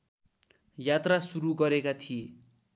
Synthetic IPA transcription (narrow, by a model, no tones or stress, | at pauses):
jat̪rasuɾuɡʌɾekat̪ʰije